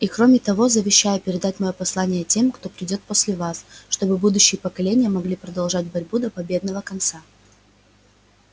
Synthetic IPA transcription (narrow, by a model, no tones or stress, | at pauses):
ikɾo̞mʲɪt̪ɐvo̞zəvʲɪɕːajʊpʲɪɾʲɪd̪at̚ʲmɐjo̞pɐslˠanʲɪjətʲe̞mkt̪o̞pɾʲɪdʲo̞t̪̚posʲlʲɪvasʂt̪o̞bɨbud̪ʊɕːɪjəpəkɐlʲenʲɪjəmɐɡlʲipɾəd̪ɐlˠʐat̚ʲbɐɾʲbud̪əpɐbʲe̞d̪nəvəkɐnt̪sa